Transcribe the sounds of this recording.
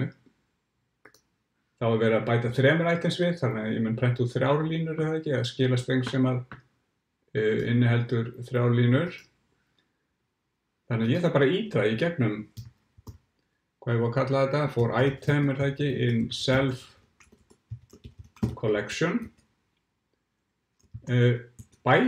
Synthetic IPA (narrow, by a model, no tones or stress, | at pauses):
θawaɾvɛːɾapaːjt̪aθɾɛːmʏɾaːjt̪ɛnsvɪðθannaɪ̰mɪnpʰɾɛn̥t̪uθɾjaːwɾliːnʏɾθaɛcɪaðscɪːlast̪ejŋsɛːmað | ɪ̰nːɪɦɛlt̪ʏɾθɾjawɾliːnʏɾ̥ | θanɪaðjɛθapaːɾaiːt̪aicɛpnʏm | kʰvavɔkʰat̪laðθɛt̪afowɾʔa̰ːjt̪ʰajmʏɾ̥θacɪʔɪnsɛlf | kʰɔlɛksjɔn | paːj